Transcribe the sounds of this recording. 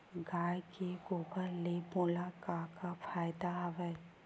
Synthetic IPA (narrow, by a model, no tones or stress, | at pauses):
ɡaːjkeɡoːpəɾleboːlakakafʰaːjd̪aɦɐʋə